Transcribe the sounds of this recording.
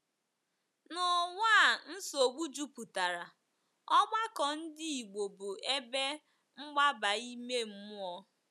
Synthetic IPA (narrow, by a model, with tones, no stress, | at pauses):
nʊ˨ŋʷaː˦˨n̩˦so˨ɡ͡bu˦d͡ʒu˦pu˨ta˨ɾa˨ | ɔ˦ɡ͡ba˦kɔ˨n̩˦dɪ˦i˨ɡ͡bo˨bʊ˨e˦be˦ | ŋ͡m̩˦ɡ͡ba˦ba˨i˦me˦m̩˦mʊ˦ɔ˦